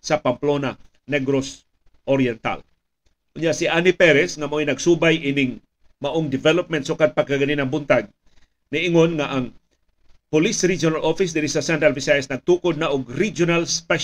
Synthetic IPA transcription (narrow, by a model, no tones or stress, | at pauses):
sapamplona | nɛɡɾos | ʔoɾjɛnt̪a̰l | ʊnjaʔsiʔanipɛɾɛsŋamainɐɡsubajʔinɪŋ | maʔʊŋd̪ɪvɛlop̚mɛnt̪sukad̪̚paɡkaɡaninaŋbʊnt̪aɡ̚ | niʔɪŋonŋaʔaŋ | pʊlisɾid͡ʒonalofis̬d̪ɪnisasɛnt̪ɾalvɪsajasnɐɡ̚t̪ukʊd̪̚naʔʊɡɾid͡ʒonalspɛʃ